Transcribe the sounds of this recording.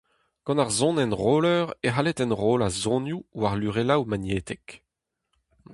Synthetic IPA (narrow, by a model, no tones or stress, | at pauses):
ɡ̥ɑ̃naʁzɔ̃nɛnʁoːlœːʁeɦalet̪ɛ̃nʁoːlazɔ̃njuwaʁlyʁelawmanjeːt̪ɛk